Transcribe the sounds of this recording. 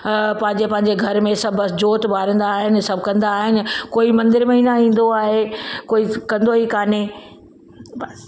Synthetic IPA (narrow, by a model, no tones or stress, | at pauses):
pɐ̃ɦɪ̃ɲd͡ʑepɐ̃ɦɪ̃ɲd͡ʑeɡʱɐɾmẽsɐbʱd͡ʑoːt̪baːɾə̃nd̪aːɦɪnɪ̆sɐbʱkɐ̃nd̪aːɦɪnɪ̆koːimɐ̃nd̪ɪɾmeinaĩːn̆d̪oaːɦekoːikɐ̃nd̪oɦikaːne